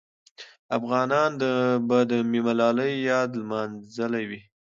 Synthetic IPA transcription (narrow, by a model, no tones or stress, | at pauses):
afɣɑnɑnd̪əbad̪əmimalɑləjːɑd̪lmɑnzəlawi